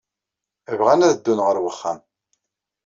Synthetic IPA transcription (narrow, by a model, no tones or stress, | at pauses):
əvʁænæðəd̪ːunʁəɾwəχːæ̰m